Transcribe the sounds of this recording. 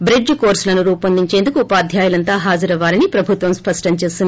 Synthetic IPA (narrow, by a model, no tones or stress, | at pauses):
bɾid͡ʒko̞ːɾslɐnuɾuːpɐnd̪iɲt͡ʃe̞ːnd̪ukuːpaːd̪ʱjaːjulɐnt̪aːɦaːd͡ʒɐɾɐʋaːɾinipɾɐbʱut̪ʋɐmspɐʂʈɐmt͡ʃe̞ːsiun